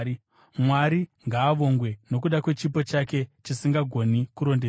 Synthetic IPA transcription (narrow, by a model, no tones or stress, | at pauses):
mwaɾiŋɡaːʋo̞ŋɡwe̞no̞k̬uɗakwe̞t͡ʃipo̞t͡ʃake̞t͡ʃisiŋɡaɡʱo̞nikuɾo̞nde